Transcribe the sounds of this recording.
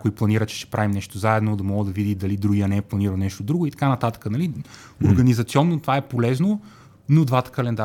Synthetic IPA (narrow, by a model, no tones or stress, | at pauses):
koiplˠɐniɾət͡ʃɛ̥ʃt̪ɛ̥pɾavimnɛʃt̪ozaɛd̪nod̪ɐmɔɡəd̪ɐvid̪id̪ɐlid̪ɾuɡiɐnɛɛplˠɐniɾəlˠnɛʃt̪od̪ɾuɡʊit̪ɐ̥kanɐt̪at̪ə̥kənɐli | oɾɡənizɐt̪siɔnːot̪ovaɛpolɛzno | nod̪vat̪ə̥kəlɛnd̪a